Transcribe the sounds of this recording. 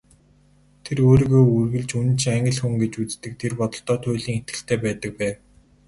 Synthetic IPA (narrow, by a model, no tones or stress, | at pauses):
t̪ʰeɾoːɾiːɣoːurɣɘ̆ɮt͡ɕun̆t͡ɕʰæŋɡə̆ɮxuŋɡet͡ɕut͡st̪ɘ̆k̚t̪ʰerpɔt̪ɞ̆ɬt̪ɔːt̪ʰʊːɮiːŋet̪̚ɡɘ̆ɬt̪ʰeːpæːt̪ə̆k̚pæːw